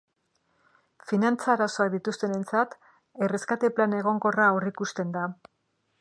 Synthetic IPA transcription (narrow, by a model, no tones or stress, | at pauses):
finant͡saɾaso̞ak̚d̪it̪ust̪e̞ne̞nt͡sat̪ | e̞re̞skat̪e̞plane̞ɣ̞o̞ŋɡo̞raorikust̪e̞nd̪a